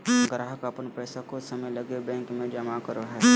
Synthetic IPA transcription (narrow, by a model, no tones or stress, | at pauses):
ɡɾaːɦəkapənpɾɛːsakosəməjləɡebɛ̃ːŋkmẽd͡ʒəmakəɾoɦɛː